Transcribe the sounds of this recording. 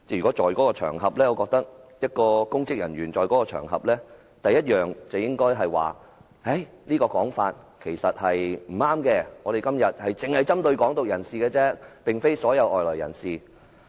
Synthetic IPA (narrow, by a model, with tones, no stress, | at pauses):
ɛ˥jɥy˨kɔː˨˥t͡ʃɔː˨jkɔː˨˥kɔː˧t͡ʃʰœ̰ː˨˩ŋɦɐ˨p̚lɛː˥ɔː˨˧kɔː˧k̚t̪ɐ˥k̚jɐ˥t̚kɔː˧kʊ˥ŋkɪ˥k̚jɐ˨˩nɥyː˨˩nt͡sɔː˨jkɔː˨˥kɔː˧t͡ʃʰœ̰ː˨˩ŋɦɐ̰˨p̚lɛː˥ | t̪ɐ˨jːɐ˥t̚jœː˨ŋt͡sɐ˨wjɪ˥ŋkɔː˥jɦɐ˨jwa̰ː˨˩ | he˨˥j | liː˥kɔː˧kɔː˨˥ŋfaː˧t̚kʰe˨˩jsɐ˨t̚hɐ˨jm̩˨˩aː˥mkɛː˧ŋɔː˨˧e˨jkɐ˥mjɐ˨t̚hɐ˨jt͡sɪ˨ŋhɐ˨jt͡sɐ˥mt̪ɵ˧ɥkɔː˨˥ŋt̪ʊ˨k̚jɐ˨˩nsiː˨kɛː˧t͡sɛː˥pɪ˨ŋfe˥jsɔː˨˥jɐ˨˧wʔɔː˨jlɔː˨˩jɐ̰˨˩nsiː˨˩